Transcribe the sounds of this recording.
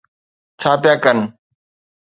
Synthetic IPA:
t͡ʃʰaːpɪjaːkən

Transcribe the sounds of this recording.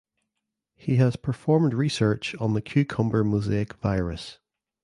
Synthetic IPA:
hiəz̥pʰə˞fɔɹmdɹisɜ˞t͡ʃn̩ðəkʰj̥ʉkʰʌ̃mbə˞muzeɪkv̥aɪɹəs

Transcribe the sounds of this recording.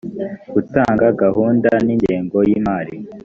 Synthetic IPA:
ɡ̥utaːŋɡaɡaɦuːndaniɲɟeːŋɡo̞jiːmaːɾi

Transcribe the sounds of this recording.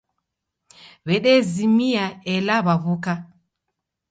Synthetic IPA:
βɛɗɛzimiaɛlaβaβuka

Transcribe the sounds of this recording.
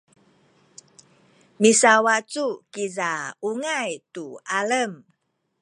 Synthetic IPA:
misawat͡sukizauŋajtuʔaləm

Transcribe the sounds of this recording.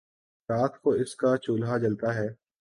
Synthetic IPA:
ɾaːt̪ʰkoɪskat͡ʃuːlɦat͡ʃɐlt̪aɦɛː

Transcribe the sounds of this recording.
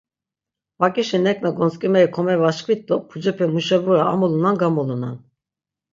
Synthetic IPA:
vakʼiʃɛnɛkʼnaɡɔnskʼimɛikʰɔmɛvaʃkʰvit̪̚d̪ɔpʰud͡ʒɛpʰɛmuʃɛvuɾaːmulunanɡamuluna̰n

